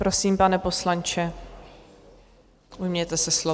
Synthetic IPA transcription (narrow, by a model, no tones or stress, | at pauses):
pɾosiːmpanɛpo̞slant͡ʃɛ | ujmɲɛt̪ɛsɛslo